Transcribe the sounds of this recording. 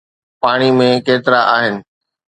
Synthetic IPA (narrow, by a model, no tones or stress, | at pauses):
paːɽ̃imẽkeːt̪ɪɾaʔaːɦɪnɪ̆